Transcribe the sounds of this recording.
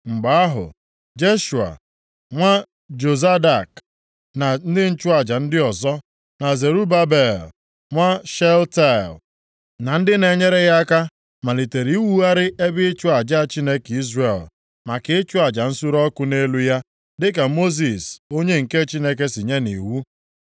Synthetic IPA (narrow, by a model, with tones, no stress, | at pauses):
ŋ͡m̩˨ɡ͡ba˨˦a˦ɦʊ̰˨ | d͡ʒe˦ʃu˨a̰˨ | ŋʷa˦ | d͡ʒo˨za˦da˨k | na˨n̩˦dɪ˦n̩˦t͡ʃʊ˦a˨d͡ʒa˨n̩˦dɪ˦ɔ˨zɔ˦ | na˨ze˨ɾu˦ba˦be˨l | ŋʷa˦ʃɛ˦lta˦˨l | na˨n̩˦dɪ˦ne˨ɲe˦ɾe˦ɣa˦ka˦ | ma˨li˨te˨ɾi˨i˦wu˦a˦ɾɪ˦ʔe˦bɪ˦t͡ʃʊ˦a˨d͡ʒa˦˨t͡ʃi˦ne˦ki˦zre˨l | ma˨kɪ˦t͡ʃʊ˦a˨d͡ʒa˨n̩˦su˦ɾɔ˦kʊ˦ne˦lu˦ja˦ | dɪ˦ka˨mo˦z̬i˨so˦ɲe˦ŋ̩˨ke˦t͡ʃi˦ne˦ke˦si˨ɲe˦nḭ˨wu˦